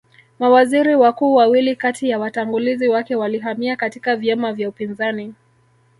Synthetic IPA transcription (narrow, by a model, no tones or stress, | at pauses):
mawaziɾiwakuːwawilikatijawataŋɡuliziwakɛwaliɦamiakatikavjamavjaupinzani